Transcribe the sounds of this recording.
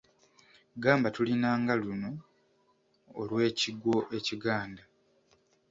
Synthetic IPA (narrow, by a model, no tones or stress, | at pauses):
ɡaːmbatulinaːŋɡaluno̞ | lwe̞ːciɡo̞ʔe̞ciɡaːnda